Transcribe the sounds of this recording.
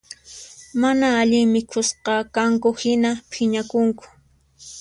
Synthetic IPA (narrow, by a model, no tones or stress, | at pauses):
manaːʎɪŋmɪkʰʊsqɑkaŋkʊhɪnapʰɪɲakʊŋkʊ̥